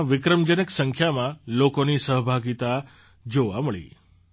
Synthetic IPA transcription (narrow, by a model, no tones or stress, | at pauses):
ʋɪkɾəmd͡ʒənəksəŋkʰjamãlokonisəɦbʱaɡit̪a | d͡ʒoʋaməɭḭ